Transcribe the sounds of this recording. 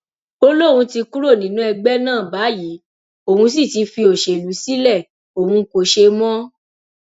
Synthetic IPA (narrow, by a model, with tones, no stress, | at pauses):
o˧lo˦ɾũ˧ti˧ku˦ɾo˦˨nĩ˨˦nũ˨˦ɛ˧ɡ͡bɛ˦nãː˦˨ba˨˦ji˨˦ | o˨hũ˧s̬i˦˨ti˧˦fi˧o˨ʃe˨lu˨˦si˦lɛ˦˨ | o˨hũ˧ko˨ʃe˧mɔ̃˦